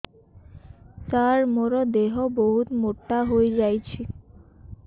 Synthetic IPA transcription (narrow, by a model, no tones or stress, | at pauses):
t̪aɾmɔɾod̪eɦoboɦut̪moʈːaɦojd͡ʑajt͡ɕʰi